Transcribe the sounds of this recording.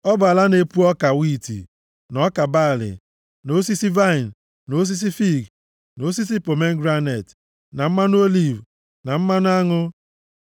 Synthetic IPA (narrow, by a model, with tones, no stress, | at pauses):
ɔ˦ba˨la˦ne˨pu˦ɔ˦ka˨wi˦˨tḭ˨ | nɔ˦ka˨ba˦˨lɪ̰˨ | no˨˦s̬i˦si˦va˦ɪ˨n˨ | no˨˦s̬i˦s̬i˦fi˦˨ɡ | no˨˦s̬i˦s̬i˦po˨me˦ŋ̩˦ɡɾa˦ne˨t | na˨m̩˦ma˦n˦o˦li˦˨v | na˨m̩˦ma˦nʊ˦a˦ŋʊ˦